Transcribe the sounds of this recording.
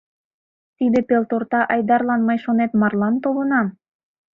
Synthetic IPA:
t̪id̪epelt̪ort̪ɑʔɑjd̪ɑrlɑnmɤjʃonet̪mɑrlɑnt̪olənɑm

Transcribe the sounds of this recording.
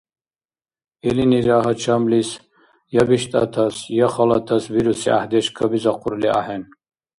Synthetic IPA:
ɛliniɾaɦat͡ʃʰamlis | jabiʃt̪ʼa̰t̪ʰasjaχalat̪ʰasviɾusia̰ħd̪ɛʃkʰɐbizaqʰʼuɾlia̰ħɛn

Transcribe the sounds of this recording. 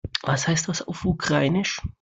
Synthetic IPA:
vashaɪstd̥asa̰ʊfukʁ̥aɪnɪʃ

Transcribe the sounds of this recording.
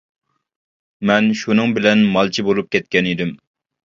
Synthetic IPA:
mɛnʃunɨŋbɪlɛnmɑlˠt͡ʃʰibolˠup̚kʲʰɛt̪kʲɛnid̪ɪm

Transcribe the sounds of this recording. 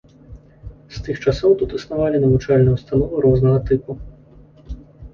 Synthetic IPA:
st̪ɨxt͡ʂasɔwt̪ut̪ɨsnavalʲinɐvut͡ʂalʲnɐwst̪anɔvɐɾɔznɐɣɐt̪ɨpu

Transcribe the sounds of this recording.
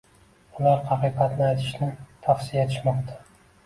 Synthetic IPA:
ʊlaɾhɑqɨjqɑt̪nɪajt̪ʰɪ̥ʃnɪt̪ʰafsijaet̪ʰɪʃmɒqt̪ʰḁ

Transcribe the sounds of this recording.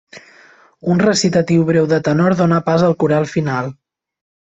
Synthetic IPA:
unrəsit̪ət̪iwβɾewðət̪ənɔɾðonapazəlˠkuɾalˠfinalˠ

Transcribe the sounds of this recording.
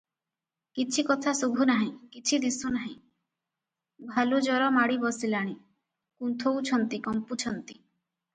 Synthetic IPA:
kit͡ʃʰikɔt̪ʰasubʱunaɦĩkit͡ʃʰid̪isunaɦĩ | bʱalud͡ʒɔɾɔmaɽibɔsilaɽ̃i | kunt̪ʰowt͡ʃʰɔnt̪ikɔmput͡ʃʰɔnt̪i

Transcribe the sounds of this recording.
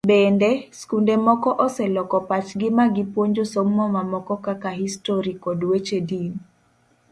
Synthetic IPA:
bɛndɛskundemɔkɔʔɔsɛlɔkɔpat͡ʃɡɪmaɡɪpwoɲd͡ʒosommɔmamɔkɔkakahistoɾikɔdwet͡ʃedin

